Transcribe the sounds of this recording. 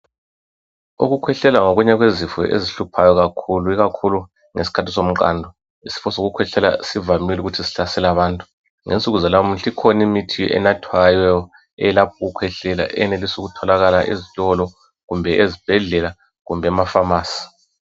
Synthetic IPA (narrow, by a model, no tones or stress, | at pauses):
ṵɣukʰwɛɬɛlaŋoɣuɲɛɣwezifɛ̰ʔḛziɬupʰajɔɣakʰuluiɣakʰulu | ŋesi̥kʰatʰisom̩ǃa̰ndʱɔ | isi̥fɔsoɣukʰwɛɬɛla̰sivamiluɣutʰisi̥ɬasɛlaβaːntʼu | ŋent͡sʼuɣuzalawm̩ɬʰʼikʰonimitʰijɔ̰ʔɛ̰natʰwajɛɔ | ɛɛlapʰɔɣukʰwɛɬɛla̰ʔɛnelisuɣutʰɔlaɣalaʔḛzitʼɔlɔ | ɣumbʱɛʔezib̥ʱɛɮɛla | ɣumbʱɛamafamaːsi̥